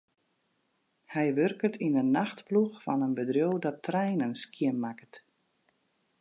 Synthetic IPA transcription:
hɛjʋørkətʰinənːaxtpluxfɔnənbədrjowdɔtrɛjnənskiənmakət

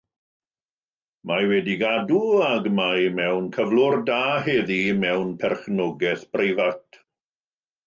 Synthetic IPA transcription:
mawɛdiɡaduaɡmajmɛwnkʰəvlʊrdaːheðimɛwnpʰɛrχnɔɡɛθb̥rejvatʰ

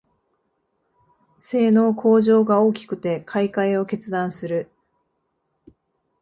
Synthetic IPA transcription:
se̞ːno̞ːkʰo̞ːʑo̞ːɡao̞ːkʲi̥kɯ̟t̪e̞kʰaikaeo̞ke̞t͡sɨd̪ãɰ̃sɨɾɯ̟

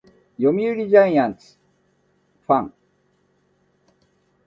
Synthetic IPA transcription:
jomʲiɯɾʲid͡ʑaĩjãnt͡sɨ̥ | ɸãŋ

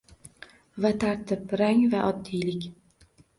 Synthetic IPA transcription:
vat̪ʰaɾt̪ʰɪpɾaŋvaʔɒd̪ːijlɪkʲ

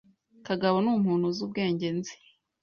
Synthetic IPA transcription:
kaɡaβonuːmhuːnhuzuːb̚ɡe̞ːɲɟe̞nzi̥

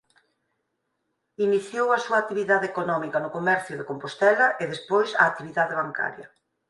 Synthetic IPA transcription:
iniθjowɐsuak̚t̪iβiðaðekonɔmikɐnʊkomɛɾθjʊðekompost̪ɛlɐʔeðespojsa̰ːk̚t̪iβiðaðeβaŋka̰ɾjɐ̰

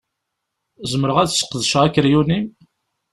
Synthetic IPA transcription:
zəməɾəʁæðsə̥qːðəʃʁækɾjunim

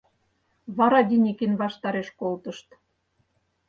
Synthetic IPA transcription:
βɑɾɑd̪ʲinʲikinβɑʃt̪ɑɾeʃkolt̪ə̆ʃt̪

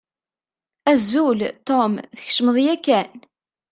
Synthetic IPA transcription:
æzːult̪omðəç̥ʃəməðˤjækːæn

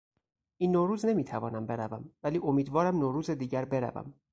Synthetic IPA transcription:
ʔiːnːoːɾuːzne̞miːt̪ʰævɒːnæmbe̞ɾævæmvæliːʔomiːd̪vɒːɾæmnoːɾuːzed̪iːɟæɾbe̞ɾæ̰væ̰m

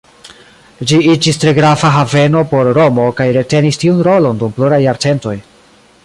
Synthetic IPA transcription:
d͡ʒiid͡ʒistɾe̞ɡɾafaɦave̞no̞po̞ɾɾo̞mo̞kajɾe̞te̞nistiunɾo̞lo̞ndumpluɾajːaɾt͡se̞nto̞j

